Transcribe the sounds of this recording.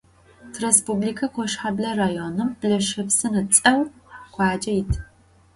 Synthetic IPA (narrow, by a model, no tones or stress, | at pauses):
tʰrespublikʰɐkʷʰɔʂħablɐraːjoːnɨmbɮɐʂɐpsɨnɨt͡sʼɐwkʷʰɑːd͡ʒɐjɪtʰ